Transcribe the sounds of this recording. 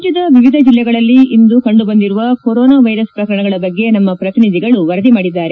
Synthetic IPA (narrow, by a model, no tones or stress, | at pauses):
d͡ʒjɐd̪ɐʋiʋid̪ʱɐd͡ʒilːɛɡɐɭɐlːiːnd̪ukɐɳɖubɐnd̪iɾuʋɐkoɾoːnaːʋɐjɾɐspɾɐkɐɾɐɳɐɡɐɭɐbɐɡːe̞nɐmːɐpɾɐt̪inid̪ʱiɡɐɭuʋɐɾɐd̪imaːɽid̪ːaːɾe